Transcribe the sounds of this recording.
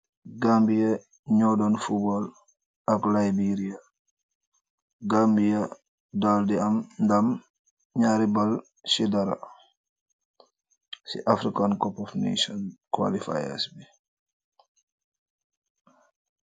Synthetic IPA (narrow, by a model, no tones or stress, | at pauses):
ɡambijɐ | ɲɔdɔnfubɔl | ɐklajbiɾija | ɡambija | daldiɐmndam | ɲaːɾibal | sidaɾa̰ | sḭʔafɾikankɔpɔfnḛʃɔnkwa̰lifa̰ja̰sbi